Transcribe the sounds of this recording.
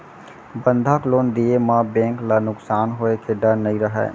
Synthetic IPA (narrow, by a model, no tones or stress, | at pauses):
bə̃nd̪ʱakloːnd̪iemãbɛ̃ːŋklanʊksaːnɦoekʰeɖəɾnəĩɾəɦɛ̰ː